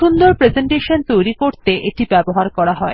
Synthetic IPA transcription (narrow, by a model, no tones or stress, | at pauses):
ʃund̪oɾpɾezeɳʈeʃont̪ojɾikoɾt̪eʔeʈibɛboɦaɾkɔɾaɦɔe